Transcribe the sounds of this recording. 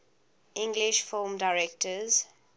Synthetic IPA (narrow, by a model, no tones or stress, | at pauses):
ʔɪ̃ŋɡlɪʃfɪlmdaɪɹɛk̚tʰəz